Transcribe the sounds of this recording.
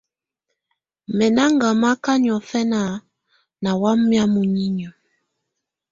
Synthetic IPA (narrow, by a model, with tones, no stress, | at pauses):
mɛ˨na˦ŋɡa˨ma˦ka˦ɲ˨ɔ˨fɛ˦na˦˨ | na˨wa˦m˦mi˦a˦mu˨ɲi˦ɲ˨ɔ˨